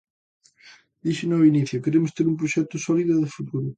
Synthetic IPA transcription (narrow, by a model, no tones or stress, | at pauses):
d̪iʃenɔiniθjʊkeɾemʊst̪eɾumpɾoʃɛk̚t̪ʊsɔliðʊðɪfut̪βuɾʊ